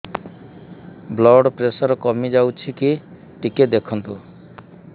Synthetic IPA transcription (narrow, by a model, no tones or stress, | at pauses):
blɔɖpɾesɔɾɔkɔmid͡ʒawt͡ʃʰiki | ʈiked̪ekʰɔnt̪u